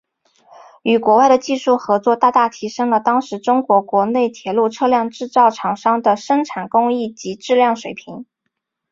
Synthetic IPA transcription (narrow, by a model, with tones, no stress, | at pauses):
y˨˩kwɔ˧˥wa˥˩ɪd̪ə˩t͡ɕi˥˧ʂu˥˩xɤ˧˥t͡swɔ˥˧t̪a˥˧t̪a˥˩t̪ʰi˧˥ʂɤ˥ŋlə˨t̪ɑ˥ŋʂɻ̩˧˥ʈ͡ʂʊ˥ŋkwɔ˧˥kwɔ˧˥ne˥˩ɪt̪ʰjɛ˧˥lu˥˧ʈ͡ʂʰɤ˥˧ljɑ˥˧ŋʈ͡ʂɻ̩˥˧t͡sɑ˥˩ʊʈ͡ʂʰɑ˨˩ŋʂɑ˥ŋd̪ə˨ʂɤ˥ŋʈ͡ʂʰa˨˩nkʊ˥ŋi˥˩t͡ɕi˧˥ʈ͡ʂɻ̩˥˧ljɑ˥˩ŋʂwe˨˩ɪpʰi˧˥ŋ